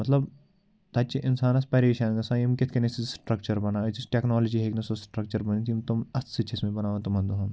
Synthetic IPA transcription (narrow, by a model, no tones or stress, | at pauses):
mɐt̪lɐb | t̪ɐːt͡ʃiʔɪnsaːnɐspɐɾeːʃaːnɡɐsãjimkɪt̪ʰkenesisʈɾɐk̚t͡ʃɐɾbɐnaːsʈeːknɔːloːd͡ʒiɦeːknesosʈɾɐk̚t͡ʃɐɾbɐnit̪ʰimt̪ʊmɐssɐt͡ʃʰesmẽbɐnaːʋɐ̃t̪ɐmɐ̃nd̪oɦɐn